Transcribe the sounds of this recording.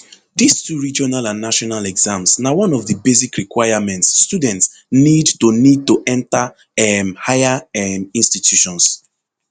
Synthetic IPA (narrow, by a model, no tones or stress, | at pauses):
distuɹid͡ʒɔnalãnːaʃɔnalɛɡzãmsnawɔ̃nɔvðəbesikɹikwaɪamɛ̃ntsːtudɛ̃nts | nidtunid̚tuʔɛ̃nta | ɛmhajaɛmĩnstitʰjuʃɔ̃ns